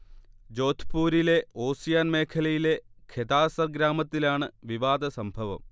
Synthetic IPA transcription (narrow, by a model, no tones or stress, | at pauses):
d͡ʑo̞ːt̪ʰpuːɾile̞o̞ːsijaːnme̞ːkʰɐlɐjile̞kʰed̪aːsɐrɡɾaːmɐt̪ːilaːɳɨʋiʋaːd̪ɐsɐmbʱɐʋɐ̰m